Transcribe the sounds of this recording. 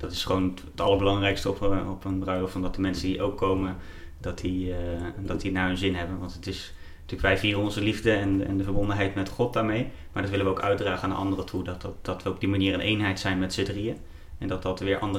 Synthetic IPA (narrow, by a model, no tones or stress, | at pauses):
d̥ɑtɪ̥sχʋown | ətɑlˠəɹbəlɑŋrɛjkstəɔpɔpənbrœɥləfɑndɑtdəmɛnsəndiʔowkʰːowmən | dɑtdiədɑtdinaːɦənzɪnɦɛbənʋɑntətɪs | tyːləkʋɛjviːrəɔnzəlivdəɛnɛ̰ndəvəɹbɔndənɦɛjtmɛtχɔt̚daːɹmej | maːɹdɑtʋɪləʋəowkœɥ̚draːχəandə̰ʔɑ̰ndərətʰudɑttd̥ɑtʋəɔb̚dimaniːrənʔejnɦɛjtsɛjnmɛtsədriə | ɛndɑt̚dɑtʋɪːɹʔɑndə